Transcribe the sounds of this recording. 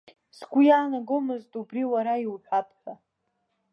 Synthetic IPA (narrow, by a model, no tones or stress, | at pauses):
sɡʷujaːnaɡomɨztʼubriwaɾaiwħʷᶣapʰʼħʷᶣa